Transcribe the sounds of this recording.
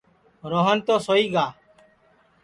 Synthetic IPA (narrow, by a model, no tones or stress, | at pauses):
ɾoɦənt̪oːsoːiːɡaː